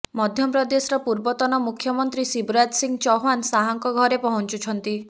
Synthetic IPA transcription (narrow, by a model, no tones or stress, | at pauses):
mɔd̪ʱjɔpɾɔd̪esɔɾɔpuɾbɔt̪ɔnɔmukʰjɔmɔnt̪ɾisibɾad͡ʒsiŋɡt͡ʃɔɦansaɦɔŋkɔɡʱɔɾepɔɦɔnt͡ʃut͡ʃʰɔnt̪i